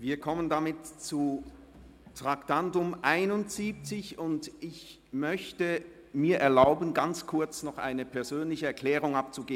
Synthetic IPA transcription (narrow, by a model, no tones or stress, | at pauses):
viːɐkʰɔməndamɪtt͡su | tʁ̥aktantʊmʔaɪnʊntz̥iːp̚t͡sɪçʊntʔɪç | mœçtə | miːɐʔɛɐlaʊbənɡant͡skʰʊɐt͡snɔχʔa̰ɪnəpʰɛɐzøːnlɪçəɛɐkʰlɛːʁ̞ʊŋap̚t͡suɡeː